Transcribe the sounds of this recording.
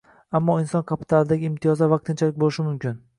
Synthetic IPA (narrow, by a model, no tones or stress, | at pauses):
amːɒɪnsɒnkʰapʰɪ̥t̪ʰalɪd̪aɡʲɪɪmt̪ʰijɒzavɑq̚t̪ʰɪnt͡ʃʰalɪk̚ʲbolɪʃɪmʊmkʲʰɪn